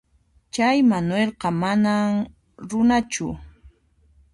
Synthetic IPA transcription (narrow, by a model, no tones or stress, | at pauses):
t͡ʃajmanwelqɑmanam | ɾʊnat͡ʃʊ̰